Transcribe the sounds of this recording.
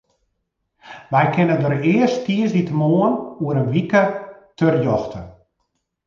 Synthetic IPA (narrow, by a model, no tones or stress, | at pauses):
ʋɛjkʰɪnədəɾɪərstiəsditəmoːənuəɾənʋikətʰørjɔxtʰə